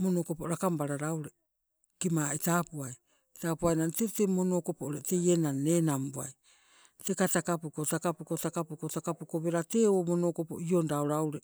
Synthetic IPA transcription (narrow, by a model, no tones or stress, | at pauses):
monokopoɾakambaɾaɾawɾe | kimaːitaːpuaj | taːpuajnantetemono̞ːko̞pooɾete̞je̞nanːe̞ːnambua̰j | te̞katakapukotakapukotakapukotakapuko̞be̞ɾate̞oːmo̞no̞ːko̞po̞̰iondaoɾawɾe̞